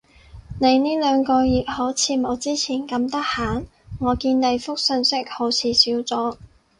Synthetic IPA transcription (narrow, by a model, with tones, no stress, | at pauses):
ne˨˧jniː˥lœː˨˧ŋkɔː˧jiː˨k̚hoː˨˥wt͡sʰiː˨˧mo˨˧wt͡siː˥t͡sʰiː˨˩nkɐ˧mt̪ɐ˥k̚haː˨˥n | ŋɔː˨˧kiː˧nne˨˧jfʊ˥k̚sɵ˧nsɪ˥k̚ho˨˥wt͡sʰiː˨˧siː˨˥wt͡sɔː˨˥